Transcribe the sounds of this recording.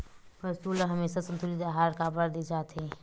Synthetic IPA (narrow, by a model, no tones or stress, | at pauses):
əsuːlɦɐmeːsasɐ̃nt̪ʰulid̪aːɦaːɾkaːbəɾd̪id͡ʒaːt̪eː